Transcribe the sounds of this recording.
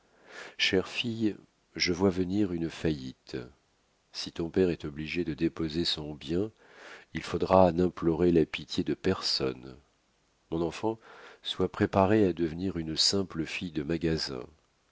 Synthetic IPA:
ʃɛʁfij | ʒəvwavəniʁynfajḭt̪ | sit̪ɔ̃pɛʁɛt̪ɔbliʒed̪əd̪epozesɔ̃bjɛ̃ | ilfod̪ʁanɛ̃plɔʁelapit̪jed̪əpɛʁsɔ̰n | mɔ̃nɑ̃fɑ̃swapχepaʁead̪əvəniʁynsɛ̃pləfijd̪əmaɡazɛ̰̃

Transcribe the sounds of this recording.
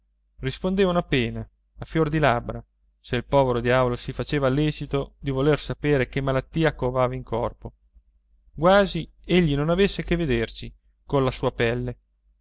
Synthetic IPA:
rispond̪eːvanoapːeːna | afjord̪ilabɾa | seilpɔːveɾod̪jaːvolosifat͡ʃeːvalːɛːt͡ʃit̪od̪ivolersapeːɾek̟emːalat̪ːiːakovaːvaiŋkʰɔrpo | ɡwaːzi | eʎːinonavesːekevːed̪ersi | konlasuːapɛlːe

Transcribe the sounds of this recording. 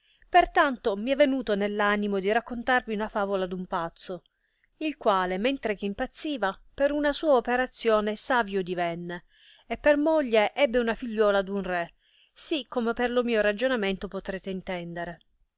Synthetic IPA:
pert̪ant̪omiɛvːenuːt̪onelːanimod̪iɾakːont̪arviunafaːvolad̪umpat̪sːo | ilkwaːlement̪ɾek̟eimpat̪sːiːvapeɾunasuːaopeɾat̪sːjoːnesaːvjod̪ivɛnːeː | pːermoʎːeʔɛbːeunafiʎːɔːlad̪unrɛ | sikːomeperlomiːoɾad͡ʒonament̪opot̪ɾeːt̪eint̪ɛnd̪eɾe

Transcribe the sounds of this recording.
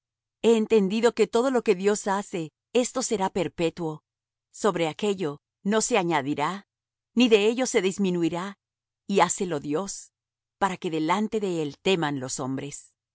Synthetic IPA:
e̞ːnt̪e̞nd̪iðo̞ke̞t̪o̞ð̞o̞lo̞ke̞ðjo̞sase̞ | e̞st̪o̞se̞ɾape̞ɾpe̞t̪wo̞ | so̞βɾe̞ake̞ʝo̞ | no̞se̞aɲaðiɾa | niðe̞eʝo̞se̞ðizmĩnuiɾa | iase̞lo̞ðjo̞s | paɾake̞ðe̞lant̪e̞ðe̞e̞lt̪e̞manlo̞so̞mbɾe̞s

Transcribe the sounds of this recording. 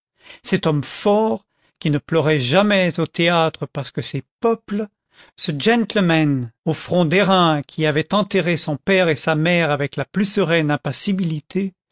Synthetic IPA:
sɛt̪ɔmfɔʁ | kʲinəplœʁɛʒamɛzot̪eat̪χəpaʁsə̥kəsɛpœpl | səʒɛ̃nt̪lmanofχɔ̃d̪eʁɛ̃kʲʰiavɛt̪ɑ̃t̪eʁesɔ̃pɛʁesamɛʁavɛklaplysəʁɛnɛ̃pasibilit̪ʰe

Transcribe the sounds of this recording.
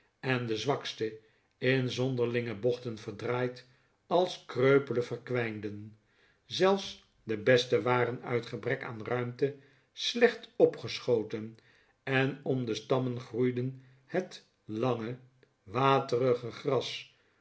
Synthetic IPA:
ɛndəzʋɑkstə | ɪnzɔndəɹlɪŋəbɔχtənvəɹdraːjt | ɑlˠskrøɥpələvərkʋɛjndən | zɛlˠfs | dəbɛstəʋaːrənœ̰ɥtχəbrɛka̰ːnrœɥmtə | slɛχtɔpχəsχowtən | ɛnɔmdəstɑmənχrujdən | hət | lɑŋə | ʋaːtərəχəχrɑs

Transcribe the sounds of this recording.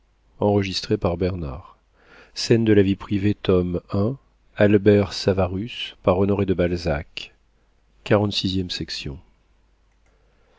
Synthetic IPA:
ɑ̃ʁəʒist̪χepaʁbɛʁna̰ʁ | sɛnd̪əlavipχivet̪ɔmɛ̃ | albɛʁsavaʁyspaʁɔnɔʁed̪əbalzak | kːaʁɑ̃t̪sizjɛmsɛksjɔ̰̃

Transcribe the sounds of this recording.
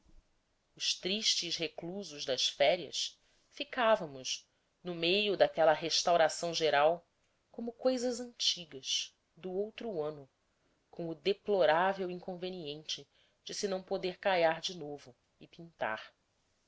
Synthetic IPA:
ʊʃt̪ɾiʃt͡ʃɪʃɦekluzʊʒd̪ɐʃfɛɾiɐ̰s | fikavɐ̃mʊʃ | nʊmejʊd̪akɛlɐɦeʃt̪awɾasɐ̃w̃ʒeɾaw | kõmʊkojzɐzɐ̃nt͡ʃiɡɐs | d̪ʊowt̪ɾuɐ̃nʊ | kõw̃ʊd̪eploɾavewĩŋkõveniẽnt͡ʃɪ | d͡ʒɪsɪnɐ̃w̃pod̪eɾkajaɾd͡ʒɪnovʊ | ɪpĩnt̪a̰χ

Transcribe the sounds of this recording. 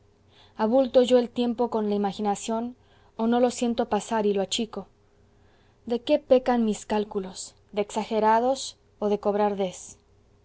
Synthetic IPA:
aβult̪o̞ʝo̞e̞lt̪je̞mpo̞ko̞nlaimaxinasjo̞n | ono̞lo̞sje̞nt̪opasaɾiloat͡ʃiko̞ | d̪e̞ke̞pe̞kanmiskalkulo̞s | ðeːksaxe̞ɾað̞o̞s | o̞ðe̞ko̞βɾaɾðe̞s

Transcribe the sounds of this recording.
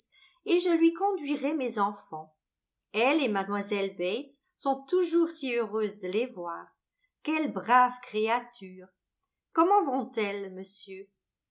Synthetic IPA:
eʒəlɥikɔ̃d̪ɥiʁɛmezɑ̃fɑ̃ | ɛlemad̪mwazɛlbɛjt̪ | sɔ̃t̪uʒuʁsiøʁøzd̪əlevwaːʁ | kɛlbʁavkχeat̪ʰyːʁ | kɔmɑ̃vɔ̃t̪ɛlməsjø

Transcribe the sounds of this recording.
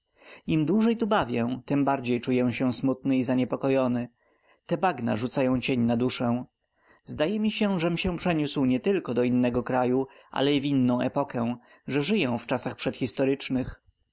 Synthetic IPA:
imd̪wuʐɛjt̪ubavʲjɛ̃t̪ɘmbaɾd͡ʑejt͡ʂujɛ̃w̃ɕɛw̃smut̪nɘizaɲɛpɔkɔjɔnɘ | t̪ɛbaɡna̰ʐut̪sajɔ̃w̃t͡ɕeɲnad̪uʂɛ̃ | zd̪ajɛmʲiɕɛ̃ʐɛmɕɛ̃pʂɛɲuswɲɛt̪ɘlkɔd̪ɔinːɛɡɔkɾajuʔa̰lɛivʲinːɔ̃w̃ʔɛ̰pɔkɛ̃ | ʐɛʐɘjɛw̃ft͡ʂasaxpʂɛt̪xʲist̪ɔɾɘt͡ʂnɘx

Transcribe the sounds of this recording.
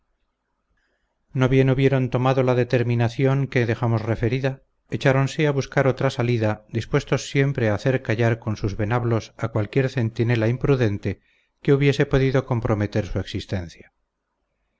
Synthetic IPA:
no̞βje̞nuβje̞ɾo̞nt̪o̞maðo̞laðe̞t̪e̞ɾmĩnaθjo̞ŋke̞ðe̞xamo̞sre̞fe̞ɾiða | et͡ʃaɾo̞nse̞aβuskaɾo̞t̪ɾasaliðad̪ispwe̞st̪o̞sːje̞mpɾe̞aːθe̞ɾkaʝaɾko̞nsuzβe̞naβlo̞sakwalkje̞ɾθe̞nt̪ine̞laimpɾuðe̞nt̪e̞ | ke̞uβje̞se̞po̞ðiðo̞ko̞mpɾo̞me̞t̪e̞ɾsue̞ksist̪e̞n̟θja

